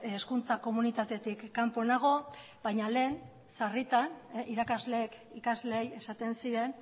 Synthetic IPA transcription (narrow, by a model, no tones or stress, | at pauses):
eskunt͡sako̞munit̪at̪e̞t̪ikːampo̞naɣ̞o̞ | bajɲale̞ːn | sarit̪aniɾakazle̞ːkikazle̞ːje̞sat̪e̞nsiɾe̞n